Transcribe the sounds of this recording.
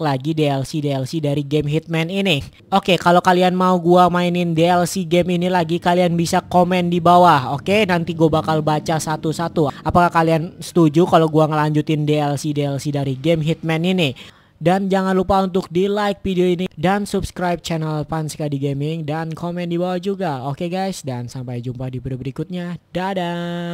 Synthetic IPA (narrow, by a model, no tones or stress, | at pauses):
laɡideɛlsideɛlsidaɾiɡemɦit̪̚mɛnini | ʔokekalokalianmauɡuamainɪndeɛlsiɡɛminilaɡikalianbisakomɛndibawahokenant̪iɡuabakalbat͡ʃasat̪usat̪uapakahkaliansə̥t̪ud͡ʒukaloɡuaŋəlaɲd͡ʒut̪ɪndeɛlsideɛlsidaɾiɡɛmɦit̪̚mɛnini | dand͡ʒaŋanlupaunt̪̬ʊk̚dilajk̚fideoinidansubskɾajp̚t͡ʃanalpansə̥kadiɡemɪŋdankomɛndibawahd͡ʒuɡaokeɡajsdansampajd͡ʒumpadibəɾubəɾikʊt̪̚ɲadada